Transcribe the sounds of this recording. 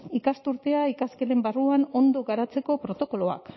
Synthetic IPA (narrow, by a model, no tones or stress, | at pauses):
ikast̪uɾt̪e̞aikaskele̞mbaruano̞nd̪o̞ɣaɾat͡se̞ko̞pɾo̞t̪o̞ko̞lo̞a̰k